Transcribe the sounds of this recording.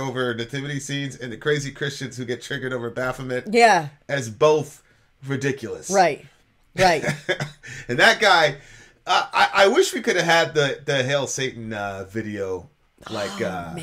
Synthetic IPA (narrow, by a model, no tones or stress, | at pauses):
oʊvə˞nɨtʰɪvɨɾisĩnzɨ̃nðɨkʰɹ̥eɪzikʰɹ̥ɪst͡ʃɨ̃nz̥hʉɡɛtʰɹ̥ɪɡə˞ɾoʊvə˞bæfəmɨ̃t̚jæɨzboʊθ | ɹɨdɪkʰjl̩ˠəsɹaɪt̚ | ɹaɪt | ɨ̃nðɨt̚ɡ̥aɪ | ʌʔaɪʔaɪwɪʃwikʰʊɾɨv̥ɨd̪̚ðɨðɨɦɛɪlˠseɪʔn̩ʌvɪɾioʊ | laɪkʌ